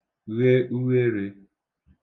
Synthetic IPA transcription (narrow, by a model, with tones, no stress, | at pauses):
ɣe˦u˦ɣe˦ɾe˨